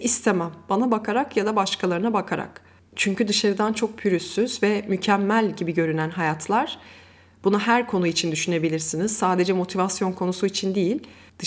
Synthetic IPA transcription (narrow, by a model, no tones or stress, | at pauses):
ist̪ʰemæmbanabakʰaɾakjad̪abaʃkʰalˠaɾɯnabakʰaɾa̰k | t͡ʃʰyɲcyd̪ɯʃaɾɯd̪ant͡ʃʰo̞k̚pʰyɾysːyzvɛmycʰɛmːælʲɟibiɟø̞ɾynænɦajat̪ʰlˠaɾ̥ | b̥unaɦæɾkʰo̞nuit͡ʃʰind̪yʃyne̞bilʲiɾsiniz̥saːd̪e̞d͡ʒɛmo̞t̪ʰivasjo̞nkʰo̞nusuit͡ʃʰind̪ijilʲ | d̪̥ɯ